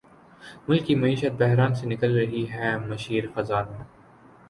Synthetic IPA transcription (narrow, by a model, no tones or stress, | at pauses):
mʊlkimɐiːʃət̪̚bɛɦɾaːnsenɪkəlɾɐɦiɦɛːmɐʃiːɾxɐzaːne